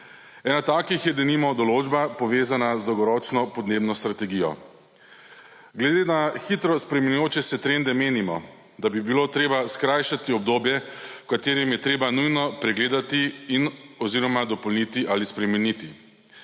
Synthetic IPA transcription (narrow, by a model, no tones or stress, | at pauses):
ɛːnat̪aːkixjɛd̪ɛnimɔd̪ɔloːd͡ʒbapɔʋeːzanazd̪ɔwɡɔɾɔːt͡ʃnɔpɔd̪neːbnɔst̪ɾat̪ɛɡiːjɔ̰ | ɡlɛd̪eːnaxit̪ɾɔspɾɛmɛnujoːt͡ʃɛsɛt̪ɾend̪ɛmeːnimɔ | d̪abibiloːt̪ɾeːbaskɾajʃat̪iɔb̚d̪oːbjɛkat̪eːɾɛmjɛt̪ɾeːbanujnɔpɾɛɡleːd̪at̪iːnɔziːɾɔmad̪ɔpɔlnit̪iʔalispɾɛmɛnit̪i